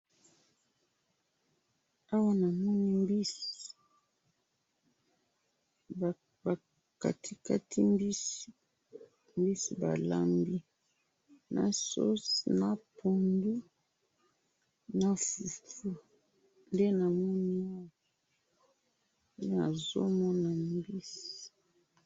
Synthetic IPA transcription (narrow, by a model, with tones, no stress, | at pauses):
a˦wa˦na˨mɔ˦ni˦mbi˦s | ba˨ | ka̰˨ti˦ka˦tʰi˦mbi˦s | mbi˦si˨ba˨la˨mbi˦ | na̰˨so̰˦sna˨pʰo˨ndu˦ | na˦fu˨tu˦ | nde˦na˨mɔ˦ni˦a˦wa˨ | nde˦na˨zo̰˦mɔ˦na˨mbi˦s